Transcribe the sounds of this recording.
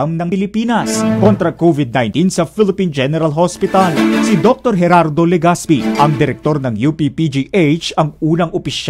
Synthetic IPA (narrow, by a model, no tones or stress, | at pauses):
mnɐŋpɪlɪpiːnɐskont̪ɾɐkovɪd̪̚najnt̪insɐfɪlɪpind͡ʒɛnɛɾɐlɦospɪt̪ɐlsid̪ok̚t̪o̞ɾɦɛɾaɾd̪olɛɡaspiʔɐŋd̪ɪɾɛk̚t̪o̞ɾnɐŋjupipid͡ʒiʔet͡ʃɐŋuːnɐŋʔopɪʃ